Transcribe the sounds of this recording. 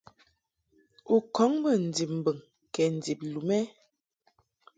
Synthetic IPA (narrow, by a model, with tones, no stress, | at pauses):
u˨kɔ˨˦ŋbə˦˨n̩˨di˨p̚m̩˨bə˨ŋ | kɛ˨n̩˨d͡zi˨p̚lu˨mɛ˦